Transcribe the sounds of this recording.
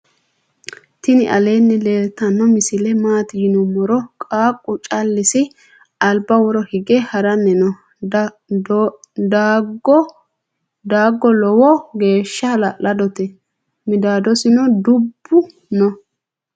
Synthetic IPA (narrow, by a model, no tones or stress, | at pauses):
t̪ɪnɪʔɐ̰le̞ːnːɛle̞ːlt̪ɐnːɔmɪsɪlɛmaːt̪ɪjɪnʊmɔɾɔkʼaːkʼːʊt͡ʃʼɐlːɪsɪ | ɐlbɐwɔɾɔhɪɡɛhɐɾɐnːɛnɔ | dɡ | d̪aːɡːɔlɔwɔɡe̞ːʃːɐlɐlɐd̪ɔt̪ɛ | mɪd̪aːd̪ɔsɪnɔd̪ʊbːʊ | nɔ